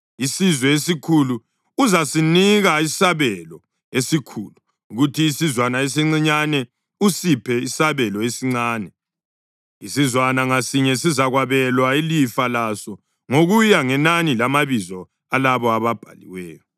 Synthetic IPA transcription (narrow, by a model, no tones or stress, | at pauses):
isizwɛesikʰuluː | zasiniɣaisaβɛlɔ | esikʰulu | uɣutʰiːsizwanaes̬iŋ͡ǀiɲanɛ | usipʰɛisaβɛlɔesiŋ͡ǀaːnɛ | isizwanaŋasiɲɛsizaɣwaβɛlwailifalasɔ | ŋoɣujaŋɛnanilamaβizɔ | alaβɔaβab̥ʱa̰lḭwɛːjɔ